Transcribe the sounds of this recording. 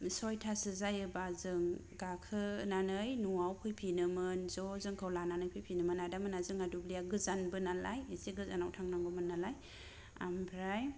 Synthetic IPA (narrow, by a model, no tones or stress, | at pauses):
sɔjtʰasɯzajɯbazɯŋɡakʰɯnanɯjnuawpʰɯjpʰinɯmɯnzɔzɯŋkʰɯwlananɯjpʰɯjpʰinɯmɯnadamɯnazɯŋadublijaɡɯzanbɯnalajisiɡɯzanawtʰaŋnaŋɡɔmɯnːalaj | a̰mbʰɾaj